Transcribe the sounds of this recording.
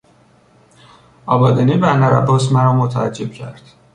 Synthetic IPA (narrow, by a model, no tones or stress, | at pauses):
ʔɒːbɒːd̪eniːbænæɾæ̰bosmæɾɒːmot̪ʰææd͡ʒːeb̥cʰæ̰ɾd̪̥